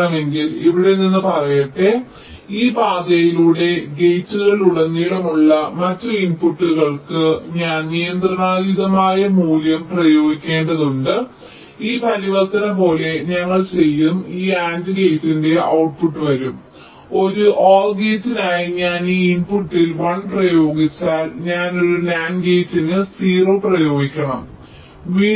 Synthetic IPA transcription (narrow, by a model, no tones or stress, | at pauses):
ɐme̞ŋɡiliʋiɽe̞ninːɨpɐrɐjɐʈːe | iːbaːd̪ɐjiluːɽe̞ɡejtːuɣɐɭuɽɐnːiːɽɐmuɭːɐmɐtːuinpuʈːuɣɐɭkɨɲaːnnijɐnd̪ɾɐɳaːðiðɐmaːjɐmuːljɐmprɐjo̞ːɡikʲːe̞ːɳɖɐðuɳɖɨ | iːpʰɐliʋɐrt̪ɐnɐpo̞ːle̞ɲɐŋːɐɭt͡ɕe̞jːumiːaːndɨɡe̞jtːinde̞ɐwʈ̚puʈːɨʋɐɾum | o̞ɾuʔoːlɡeːsinaːjiɲaːniːinpuʈːilʋɐɳprɐjo̞ːɡit͡ɕːaːlɲaːno̞ɾunaːnɡe̞ːtːinɨsiːro̞ːprɐjo̞ːɡikʲːɐɳɐm | ʋiː